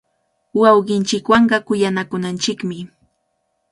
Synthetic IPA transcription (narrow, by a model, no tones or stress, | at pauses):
wɑwɢɪnt͡ʃɪkwɑɴɢɑkʊjanakʊnant͡ʃɪkmɪ